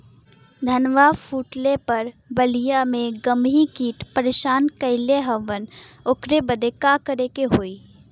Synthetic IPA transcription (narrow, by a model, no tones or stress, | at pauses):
d̪ʱənʋafʰuːʈlepɐɾbəlijamẽɡəmɦikiːʈpəɾeːʃaːnkəɪleɦəʋənʊkɾebəd̪ekakəɾekeɦoːiː